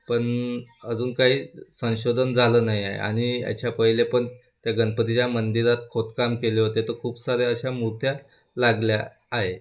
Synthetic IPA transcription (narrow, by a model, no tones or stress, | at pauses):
pəɳəd͡zuːnkaɦiːsə̃w̃ɕod̪ʱənd͡zʱaləːnaɦiaḛa̰ɽ̃ia̰t͡ɕʰapəɦilepəɳ | t̪jaɡənpət̪it͡ɕjamənd̪iɾat̪̚kʰot̪kamkeleɦot̪et̪okʰuːpsaɾeəɕamuɾt̪ʰja | laɡljaː | ɦe